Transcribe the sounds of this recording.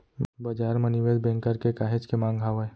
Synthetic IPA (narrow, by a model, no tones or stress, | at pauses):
bɐd͡ʒaːɾməniʋed̪bẽŋkəɾkekaːɦed͡ʒkemãːŋɡʱaːwə